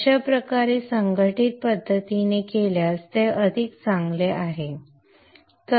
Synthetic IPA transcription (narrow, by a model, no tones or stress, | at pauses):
ɕapɾəkaɾesəŋɡəʈit̪̚pəd̪ʱːət̪inekeljast̪eʔəd̪ʱikt͡sãŋɡleʔaɦe | t̪ə